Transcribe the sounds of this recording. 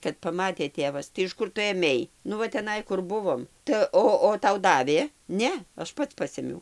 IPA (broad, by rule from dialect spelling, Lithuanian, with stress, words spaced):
kɐt pɐˈmɑːtʲeː ˈtʲeːʋɐs tɐɪ ɪʃ ˈkʊr tʊ eːˈmʲɛɪ ˈnʊ ʋɐ tʲɛˈnɐɪ ˈkʊr ˈbʊʋoːm tɐɪ ˈoː oː ˈtɐʊ ˈdɑːʋʲeː ˈnʲɛ ˈɐʃ ˈpɐts ˈpɑːsʲeːmʲɛʊ